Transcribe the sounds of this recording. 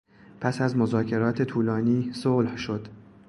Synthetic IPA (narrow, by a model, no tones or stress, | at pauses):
pʰæsæzmo̞zɒːcʰe̞ɾɒːt̪ʰe̞t̪ʰuːlɒːniːsoːlhʃo̞d̪̥